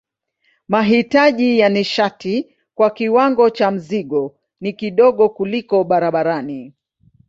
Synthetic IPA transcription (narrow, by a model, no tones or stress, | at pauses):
maɦitaʄijaniʃati | kwakiwaŋɡɔt͡ʃam̩ziɠɔ | nikiɗɔɠɔkulikɔɓaɾaɓaɾani